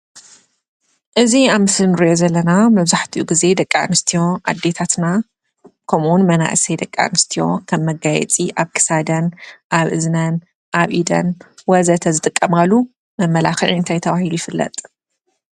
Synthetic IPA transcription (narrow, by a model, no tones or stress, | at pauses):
ʔɨziaβmɨsɨlnɨɾijo̞zɐlːɐnamɐβzaħt̪ʰiʔuɡize̞d̪ɐkʼːanɨst̪ʰijo̞ʔa̰d̪ːe̞t̪ʰat̪na | kʰɐmuwnmɐna̰ʔɨsejd̪ɐkʼːa̰nɨst̪ʰijo̞kʰɐmːɐɡajɛ̰t͡sʼiʔaβkʰɨ̥sad̪ɐnʔaβʔɨ̰znɐn | ʔaβʔid̪ɐ̰nwɐzɐt̪ʰɐzɨt̪ʼɨkʼːɐmɡalu | mɐmːɐlaxɐlɨnt̪ʰajt̪ʰɐβahilujɪfɨlːɐ̰t̪ʼ